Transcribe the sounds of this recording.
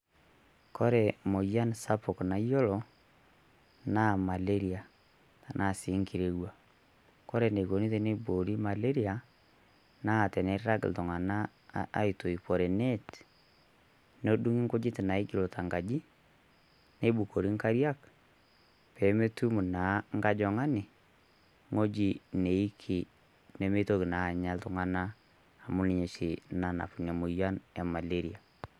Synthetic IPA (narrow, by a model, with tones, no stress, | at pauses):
kɔ˦ɾɛ˨mo˨ja˦nsa˦po˨kna˨i˦jɔ˦lɔ˨ | na˦˨ma˨le˦ɾi˨a˨ | a˨nʔa˦˨si˨˦ŋki˨ɾe˨ɣwa˨ | kɔ˦ɾɛ˨ne˨ɣo˨ni˦ðe˦ne˦bo˨ɾi˦ma˨le˦ɾi˦a˨ | naː˦˨tɛ˨nɛ˦ɾa˦ɡ̰do˨ŋa˨na̰ː˦ | i˨to˨i˨pɔ˨ɾɛ˨nɛ˦t | no˦du˦ŋɪ˦ŋkʊ˦d͡ʒɪ˦tɪ˨na˨ɪ˦ɡɪ˨lo˨ta˨ŋɡa˨d͡ʒi˦ | ne˦bu˨ko˨ɾi˦ŋka˦ɾja˦k | pɛ˨˦me˦tu˦mu˨na˨˦ŋɡa˦d͡ʒɔ˨ŋa˦nɪ˨ | ŋo˦d͡ʒi˨ne˨i˦kʰi˨ | ne˨˦me˦to˦ki˨na˨˦˨ɲa˦ltʊ˦ŋa˨naː˦˨ | mʊ˦lni˨ɲe˨ʃi˨na˨na̰˨pu˨ɲa˨mu˨ja˦nɛ˨ma˨le˦ɾi˨a˨